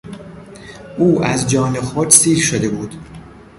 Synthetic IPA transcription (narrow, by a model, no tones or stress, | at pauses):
ʔuːæzd͡ʒɒːne̞xod̪siːɾʃod̪e̞buːd̪̥